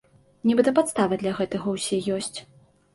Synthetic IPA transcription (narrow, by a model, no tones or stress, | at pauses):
nʲɛbɨt̪ɐpat̪st̪avɐd̪lʲɐɣɛt̪ɐɣɐwsʲɛjɔsʲt͡sʲ